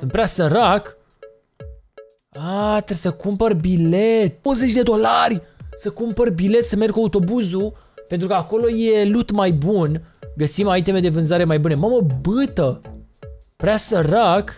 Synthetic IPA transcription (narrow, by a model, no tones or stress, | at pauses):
sɨnt̪pɾʲeasəɾak | at̪ɾesəkumperʲbilet̪̚ozet͡ʃd̪e̞d̪o̞larʲsəkumperʲbile̞t̪səmerɡkuaut̪o̞buzu | pe̞nt̪ɾukəako̞lo̞jelut̪majbunɡəsimait̪emed̪e̞vɨnzaɾe̞majbunemaməbɨt̪ə | pɾeasəɾak